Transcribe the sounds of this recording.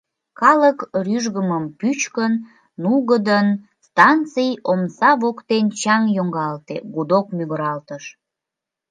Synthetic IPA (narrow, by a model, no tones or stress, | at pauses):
kɑləkryʒɣəməmpyt͡ɕkənː | uɣəd̪ən | st̪ɑnt͡sɨjomsɑβokt̪ent͡ɕɑŋjoŋɡɑlt̪ḛɡud̪okmyɣəɾɑlt̪əʃ